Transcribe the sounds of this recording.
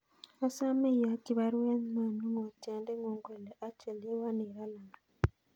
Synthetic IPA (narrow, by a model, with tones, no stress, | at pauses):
a˦sa˦me˦˨ja˨˦ti˨˦βa˦ɾe˦n˦na˦˨nu˦ŋo˨ta˨˦nde˦ŋo˨ŋɡwe˨le˨ʔa˦t͡ʃe˨le˦wa˦ne˨ɾa˦la˨na˨